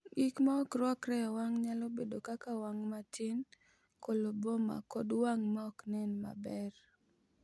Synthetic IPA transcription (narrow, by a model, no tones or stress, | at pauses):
ɡikmaɔkɾwɔkɾɛɔwaŋɲalɔbedokakawaŋmatʰɪn | koloboma̰kɔdwaŋmaɔknɛnma̰bɛr